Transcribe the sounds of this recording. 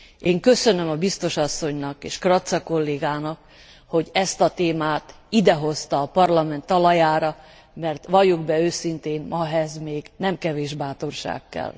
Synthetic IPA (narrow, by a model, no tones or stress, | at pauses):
eːŋkø̞sø̞nø̞mɒbist̪o̞ʃɒsːoɲnɒkeːʃkrɒt̪sɒko̞lːeːɡaːnɒk | ho̞ɟɛst̪ɒt̪eːmaːt̪ | id̪ɛɦo̞st̪ɒːpɒrlɒmɛnt̪ːɒlɒjaːɾɒ | mɛrt̪ʋɒjuɡbɛøːsint̪eːnmɒɦɛzmeːɡnɛmkɛveːʒbaːt̪o̞rʃa̰ːkːɛ̰l